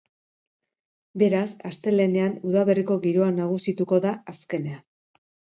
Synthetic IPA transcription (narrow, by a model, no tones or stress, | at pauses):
be̞ɾasast̪e̞le̞ne̞anuðaβe̞riko̞ɣiɾo̞anaɣ̞usit̪uko̞ðaaske̞ne̞a